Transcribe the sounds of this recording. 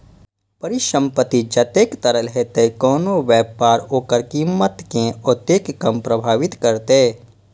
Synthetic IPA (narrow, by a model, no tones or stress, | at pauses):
pəɾɪʃə̃mpət̪id͡ʒɐt̪eːkt̪əɾəlɦet̪ekɔːnoʋjɛːpaːɾoːkəɾkiːmːət̪kẽot̪eːkːəmpɾəbʱaːʋɪt̪kəɾt̪eː